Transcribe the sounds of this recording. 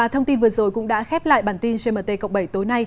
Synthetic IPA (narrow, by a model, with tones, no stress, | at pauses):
aː˨˩t̪ʰə˧wŋ͡mt̪i˧nvɨ˨˩əzo˨˩jkʊ̰˧˥ŋ͡mɗa̰ː˧˥xɛ˦˥p̚la̰ː˧˨jɓaː˧˩nt̪i˧nt͡ɕe˧məː˨˩t̪e˧˩kə̰˧˨k͡p̚ɓə˧˩jt̪o˨˦jna˧j